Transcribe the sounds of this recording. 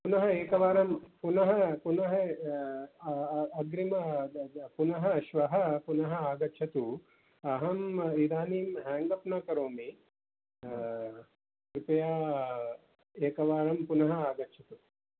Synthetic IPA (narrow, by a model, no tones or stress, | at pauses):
punɐɦɐeːkɐʋaːɾɐmpunɐɦɐpunɐɦɐ | ɡɾimɐpunɐɦɐʃʋɐɦɐpunɐɦɐaːɡɐt͡ʃʰɐt̪u | ɐɦɐmid̪aːniːmɦɛːŋɡɐpnaːkɐɾoːmi | kɾupɐjaː | eːkɐʋaːɾɐmpunɐɦɐaːɡɐtt͡ʃʰɐt̪u